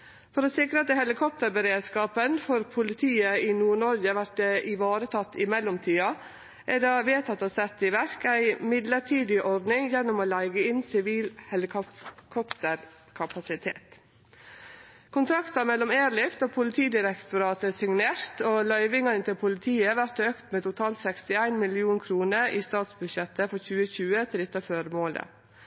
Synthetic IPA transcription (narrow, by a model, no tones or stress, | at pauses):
fɔɾoːsɪkɾət̪əhɛlɪkʰɔp̚t̪əɾbəɾeːd̪skɑːpənfoɾpʰʊlɪt̪ʰiːəiːnuːɳɔɾɡəʋæʈɛʔɪʋɑːɾət̪ʰɑt̪ːɪmɛlɔmt̪ʰyːɑ | ʔæɖɑʋeːt̪ʰɑt̪ːosɛt̪ːɪʋæɾkæɪmɪd̪ləʈʰiːd̪ɪʔɔɾd̪nɪŋjɛnːʊmoːlæɪɡəɪnsɪʋiːlhɛlɪkʰkʰɔpt̪əɾ | kʰɑpɑsɪt̪ʰḛːt̪ | kʰʊnt̪ʰɾɑkt̪ɑmɛlːɔmeːɾɭɪft̪ɑːpʰʊlɪt̪ʰiːd̪ɪɾɛkt̪ʊɾɑːt̪əsɪŋneːɾt̪oːlœʏʋɪŋɑɪnt̪ɪlpʰʊlɪt̪ʰiːəʋæɾt̪øːkt̪meːt̪ʊt̪ʰɑːlt̪sɛkst̪ɪæɪnmɪlɪuːnkʰɾuːnəɾʔiːst̪ɑːt̪sbʉd̪ʃɛt̪ːəfɔɾçʉːəçʉːət̪ʰɪd̪ɪt̪ːɑføːɾmoːlə̰